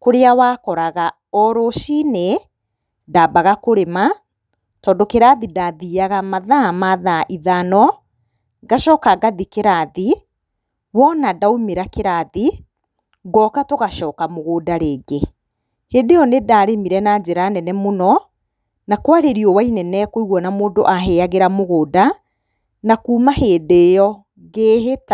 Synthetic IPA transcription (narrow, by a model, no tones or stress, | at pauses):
koɾeawaːkɔɾaɣa | ɔɾoʃine | dabaɣakoɾema | tɔːdokeɾaðidaðiaɣamaðamaðaʔiðanɔ | ɡaʃɔːkaɡaðikeɾaði | wɔnadaomeɾakeɾaði | ɡɔkatoɣaʃɔːkamoɣoːdaɾeːɡe | hedejɔnedaɾemiɾɛnad͡ʑeɾanɛnɛmonɔ | nakwaɾeɾiɔwainɛnɛkoiɣwɔnamoːndoʔaɦɛaɣeɾamoɣoːda | nakuːmahedeːjɔ | ɣeːɦeta